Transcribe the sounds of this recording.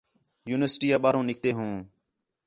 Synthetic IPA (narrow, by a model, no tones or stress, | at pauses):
juːnɪʋəsʈiːaːɓaːɾõːnɪk̚t̪eːɦũː